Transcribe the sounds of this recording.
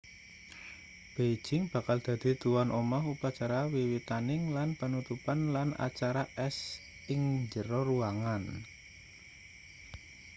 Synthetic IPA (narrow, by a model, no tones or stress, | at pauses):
b̥e̥d͡ʒ̥ɪŋb̥a̤kald̪̥ä̤d̪̥i̤d̪̥uwanʔomɔɦupat͡ʃaɾawiwit̪anɪŋlanpənut̪upanlanʔa̰t͡ʃaɾaʔɛs | ʔɪŋɲd͡ʒəɾɔɾuaŋan